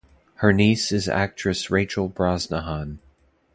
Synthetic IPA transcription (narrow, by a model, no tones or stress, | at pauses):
hə˞nisɨzæ̰k̚t͡ʃɹ̥ɨsɹeɪt͡ʃl̩ˠbɹɑznəhɑ̃n